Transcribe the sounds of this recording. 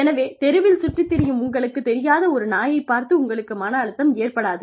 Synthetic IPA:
ɛnɐʋeːt̪ɛɾɯʋɪlsʊʈrɪt̪ːɪɾɪjɯmʊŋɡɐɭɯkːɯt̪ːɛɾɪjaːðɐɔɾɯnaːjɐɪpːaːɾt̪ɯʊŋɡɐɭɯkːɯmaːnɐːɭɯt̪ːɐmeːrpɐɽaːðɯ

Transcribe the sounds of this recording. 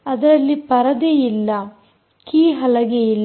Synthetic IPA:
ɐd̪ɐɾɐlːipɐɾɐd̪ejilːɐ | kiːɦɐlɐɡejilː

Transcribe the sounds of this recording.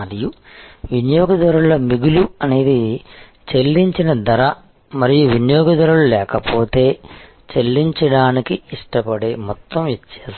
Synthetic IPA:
ɐɾiju | ʋinjoːɡɐd̪ɐɾuɭɐmiɡuluɐne̞ːd̪i | t͡ʃe̞lːiɲt͡ʃinɐd̪ɐɾɐ | mɐɾijuʋinjoːɡɐd̪ɐɾuɭulɛːkɐpʰoːt̪e̞ː | t͡ʃe̞lːiɲt͡ʃɐɽaːnikiiʂʈɐpɐɽeːmɔt̪ːɐmʋit̪ːjaːs

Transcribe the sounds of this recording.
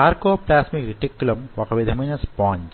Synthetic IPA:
aːɾkoːplaːsmikɾiʈikːulɐmʋɐkɐʋid̪ʱɐmɐnɐspɔːɲd͡ʒ

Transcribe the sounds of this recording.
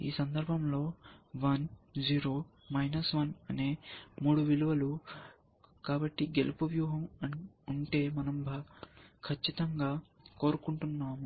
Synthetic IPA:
ḭːsɐnd̪ɐɾbʱɐmlo̞ːʋɐnd͡ʒiːɾo̞ː | mɐjnɐsʋɐnɐne̞ːmuːɽuʋiluʋɐlu | kaːbɐʈːiɡelupuʋjuːɦɐmɐ | uɳʈe̞ːmɐnɐmbʱɐkʰɐt͡ʃːit̪ɐŋɡaː | ko̞ːɾukuɳʈunːaːmu

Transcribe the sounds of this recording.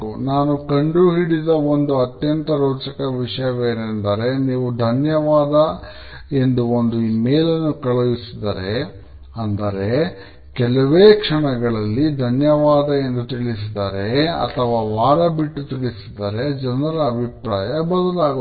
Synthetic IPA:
unaːnukɐɳɖuɦiɽid̪ɐo̞nd̪uɐt̪jɐnt̪ɐɾoːt͡ʃɐkɐʋiʂɐjɐʋeːɾnd̪ɐɾe̞niːʋud̪ʱɐnjɐʋaːd̪ɐ | e̞nd̪uond̪uiːmeːlɐnːukɐɭɐʋisid̪ɐɾe̞ | ɐnd̪ɐɾe̞ | kɛlɐʋeːkʂɐɳɐɡɐɭɐlːid̪ʱɐnjɐʋaːd̪ɐe̞nd̪ut̪iɭis̬id̪ɐɾe̞ɐ̰t̪ʰɐʋaːʋaːɾɐbiʈːut̪iɭisid̪ɐɾe̞d͡ʒɐnɐɾɐːbʱipɾaːjɐbɐd̪ɐlaːɡ

